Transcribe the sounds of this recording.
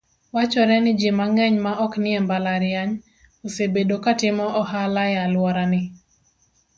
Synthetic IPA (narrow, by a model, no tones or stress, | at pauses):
wat͡ʃɔɾɛnɪd͡ʒɪmaŋɛɲmaʔɔknɪembalaɾɪjaɲ | osebedokatɪmɔʔɔhalajalwɔɾanɪ